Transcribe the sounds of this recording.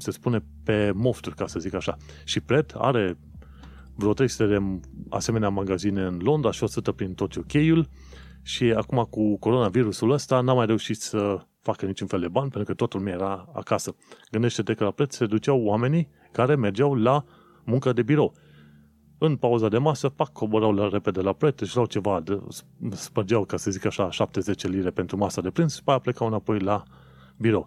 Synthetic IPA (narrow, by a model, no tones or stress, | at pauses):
se̞spune̞ | pe̞mo̞st̪urʲkasəzikaʃa | ʃipɾe̞t̪ʰa̰ɾe̞ | vɾot̪ɾejsut̪ed̪e̞a̰se̞me̞neamaɡazine̞ɨnlo̞nd̪ɾaʃiosɨt̪əpɾint̪o̞t̪okʲe̞jul | ʃiakumakuko̞ɾo̞naviɾusuləst̪anamːajɾe̞uʃit̪sə | fakənit͡ʃunfe̞ld̪e̞banʲpent̪ɾukət̪ot̪ulumʲiajeɾaa̰kasəɡɨnd̪e̞ʃt̪e̞t̪e̞kəlapɾe̞t̪ssed̪ut͡ʃawoame̞ni | kaɾe̞me̞rd͡ʒawla | mũŋkəd̪e̞biɾo̞w | ɨnpauzad̪e̞masəpakʰːoboɾawlɾe̞pe̞d̪elapɾe̞t̪ɨʒɾawt͡ʃe̞vad̪spəd͡ʒawkasəzikaʃaʃap̚t̪e̞ze̞t͡ʃeliɾe̞pent̪ɾumasad̪e̞pɾinspajaple̞kawɨnapo̞jla | biɾo̞w